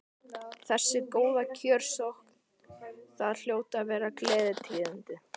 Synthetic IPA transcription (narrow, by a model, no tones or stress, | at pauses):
θɛsːɪkoːwðacʰœːɾ̥sohkn̥ | θaðl̥joːwt̪avɛːɾaklɛːðɪt̪ʰɪːðant̪ɪ